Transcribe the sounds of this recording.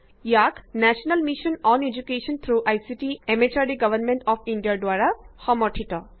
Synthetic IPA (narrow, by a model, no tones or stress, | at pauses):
jaknæʃənəlmiʃə̃nɔ̃ned͡ʒukeʃə̃nt̪ʰɾuʔajsiʈiemet͡ʃaɖiɡʌʋəɾmẽɳʈɔfĩɳɖijaɖʋaɾahɔmɔʈʰiʈɔ